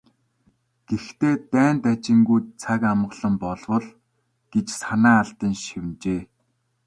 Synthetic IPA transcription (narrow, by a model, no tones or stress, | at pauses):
ɡ̥ext̪eːt̪æːnt̪at͡ɕɪ̆ŋɡujt͡sʰakamɢɮə̆mpɔɮwɞ̆ɮ | ɡ̥et͡ɕsanæːɬt̪ə̆nʃiwnt͡ɕeː